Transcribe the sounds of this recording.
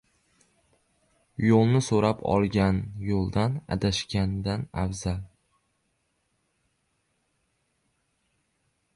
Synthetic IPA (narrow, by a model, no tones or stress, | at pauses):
jolˠnɪsoɾapʰɒ̰lˠɡʲanjolˠd̪ana̰d̪aʃkʲand̪anafzal